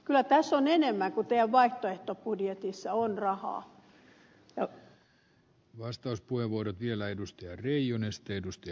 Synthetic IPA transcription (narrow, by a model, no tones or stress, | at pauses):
kylːˑæt̪æsːonenemːæŋkut̪eæʋʋɑiht̪oeht̪opudjet̪isːɑonrɑhɑ̰ː | jɑ | ʋɑst̪ɑuspuheʋʋuoɾot̪ʋielæedust̪eɑreijonest̪ːeedust̪e